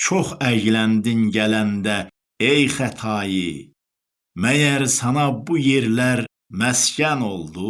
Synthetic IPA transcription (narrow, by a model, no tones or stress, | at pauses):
t͡ʃʰoχæɟlænd̪inɟælænd̪æ | ejχæt̪ʰɑji | mæjæɾsɑnɑbujeɾlæɾ | mæscæno̞lˠd̪u